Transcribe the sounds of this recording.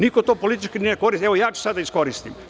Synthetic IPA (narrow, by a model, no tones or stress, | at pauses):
nikot̪oːpolit̪it͡ʃkinieko̞ɾist̪eʋojaːt͡ʃe̥sad̪aisko̞ɾist̪im